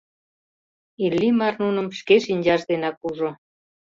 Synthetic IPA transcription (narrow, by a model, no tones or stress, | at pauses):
ilːimɑrnunə̆mʃkeʃinʲd͡ʑɑʃd̪enɑkuʒo